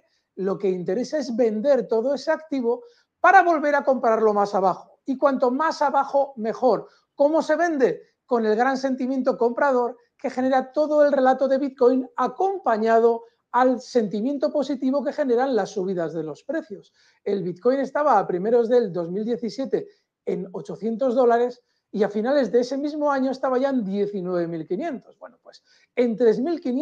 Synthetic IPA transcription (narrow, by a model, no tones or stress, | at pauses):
lo̞ke̞int̪e̞ɾe̞sae̞zβe̞nd̪e̞ɾt̪o̞ðo̞e̞seakt̪iβo̞ | paɾaβo̞lβe̞ɾako̞mpɾaɾlo̞masaβaxoikwant̪o̞masaβaxo̞me̞xo̞ɾ | ko̞mo̞se̞βe̞nd̪e̞ | ko̞ne̞lɣɾanse̞nt̪imje̞nt̪o̞ko̞mpɾað̞o̞ɾ | ke̞xe̞ne̞ɾat̪o̞ðo̞e̞lre̞lat̪o̞ðe̞βit̪̚ko̞jnako̞mpaɲað̞o̞ | alse̞nt̪imje̞nt̪o̞po̞sit̪iβo̞ke̞xe̞ne̞ɾanlasːuβ̞iðazðe̞lo̞spɾe̞θjo̞s | e̞lβit̪̚ko̞jne̞st̪aβaːpɾimeɾo̞zðe̞ld̪o̞zmild̪je̞θisje̞t̪e̞ | eno̞t͡ʃo̞θje̞nt̪o̞zð̞o̞laɾe̞s | iafinale̞zðe̞ese̞mizmo̞aɲo̞e̞st̪aβaʝaend̪je̞θinwe̞βe̞milkinjẽ̞nt̪o̞zβwe̞nopwe̞s | e̞nt̪ɾe̞zmilkin